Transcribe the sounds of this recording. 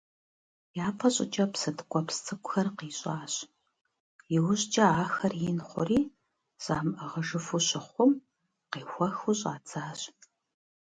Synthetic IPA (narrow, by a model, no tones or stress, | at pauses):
jaːpʰɐɕʼɪ̰t͡ʃʼɐpsɐdʰɨkʷʼɔpst͡sʰɨkʷʼʊxɐrqiːɕʼaːɕʼ | jɪwʊɕʼd͡ʒʼɐaːxɐrjɪnχʷʊ̰riː | z̥aːmʔɐʁɐʒɨfʊɕɪχʷʊm | qiːxʷɔxuɕʼaːt͡sʰaːɕʼ